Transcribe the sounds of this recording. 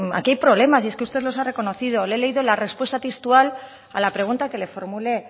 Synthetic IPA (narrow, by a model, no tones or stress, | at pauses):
a̰kiajpɾo̞βle̞masie̞skeust̪e̞ðlo̞sare̞ko̞no̞θið̞olele̞iðo̞lare̞spwe̞st̪at̪est̪ual | a̰lapɾe̞ɣ̞unt̪ake̞le̞fo̞ɾmule̞